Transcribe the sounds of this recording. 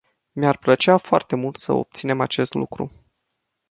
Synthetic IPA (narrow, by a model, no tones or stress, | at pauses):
miarplət͡ʃeafoart̪e̞mult̪sə̰o̞̰p̚t̪sine̞mat͡ʃe̞st̪lṵkɾṵ